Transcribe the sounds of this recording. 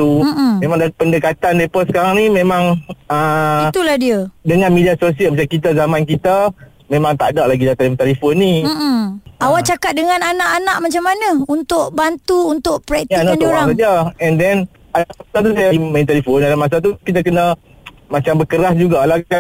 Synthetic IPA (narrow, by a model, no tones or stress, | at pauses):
t̪umẽmãŋdapəndəkat̪andepəsə̥kaɾaŋnimẽmãŋəit̪ulahdiədəŋanmidiasosiəlmat͡ʃakit̪̬azamãnkit̪a | mẽmãŋt̪adaʔlaɡidat̪elimt̪elifonːi | awaʔt͡ʃakat̪̚dəŋãnanaʔanaʔmat͡ʃamːanəunt̪ʊʔbant̪uːnt̪ʊʔpɾɛk̚tjainanoɾaŋsad͡ʒaɛndɛn | adaasat̪usajaiməint̪elifonadamas̬at̪̬ukit̪akənə | mat͡ʃambəkəɾasd͡ʒuɡalaa